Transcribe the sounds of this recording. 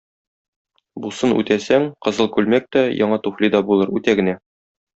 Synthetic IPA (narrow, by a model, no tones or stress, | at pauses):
busɤnʉ̰t̪æsæŋqɤ̆zɤlˠkʉlmæk̚t̪ɒjɒ̰ɴɑt̪uflʲid̪ɒbulˠɤɾʉt̪æɡɘ̆næ